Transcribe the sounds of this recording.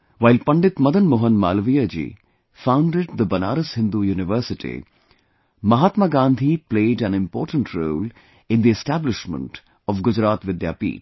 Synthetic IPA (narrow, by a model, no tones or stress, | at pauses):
ʋaɪlpɐ̃ɳɖɪt̪mɐd̪ənmoɦənma̰ːlʋijəd͡ʒḭː | fãʊ̃ɳɖɪɖd̪əbɐna̰ːɾəshɪ̃nd̪ujuːnɪʋəɾsɪʈḭ | mɐɦaːt̪maɡãːnd̪ʱipleːɖæ̃nɪ̃mpɔːɾʈə̃ɳʈʰɾoːl | ɪ̃nd̪iɛsʈæblɪʃmə̰̃ɳʈ | ɔʋɡʊd͡ʒɾaːt̪ʋɪd̪ja̰ːpḭː